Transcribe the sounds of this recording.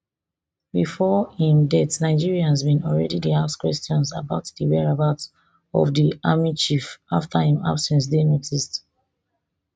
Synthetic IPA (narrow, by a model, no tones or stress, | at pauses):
bifɔĩndɛtnaɪd͡ʒiɹiãnzbĩnɔlɹɛdidiaskwɛstɔ̃nsa̰baʊtdiɹɛɹabaʊt | ɔ̰vdiʔamit͡ʃifaftʰahĩma̰bsɛ̃ns̬denɛɡzist